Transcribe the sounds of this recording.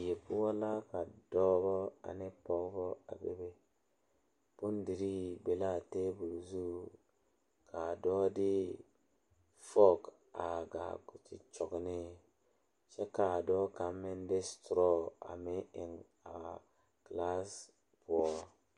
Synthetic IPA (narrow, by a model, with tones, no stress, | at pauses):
je˨pu˦wa˦la˦ka˨dɔ˦bɔ˦a̰˨ne˦po˨kbɔ˦a̰˨bḛ˦be˦ | b̥u˦ndi˨ɾi˦be˨la˦˨te˦bu˨lzu˦ | kʰa˨dɔ˦di˦ | fo˦k | a˨ɡa̰˨ɡu˨t͡ʃḭ˨t͡ʃo˨kni˦ | ʃe˦ka˨dɔ˦ka˨mːe˦nde˦stɾo˦a̰˨me˦ʔe˨ŋ | a̰˨ | kla˦s | bu˨ɔ˨